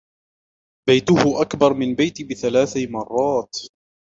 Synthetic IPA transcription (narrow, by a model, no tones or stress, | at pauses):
bajt̪ʊhʊʔakbɑɾˤmɪnbajt̪ɪbɪθalaːθamɑrˤːɑːt̪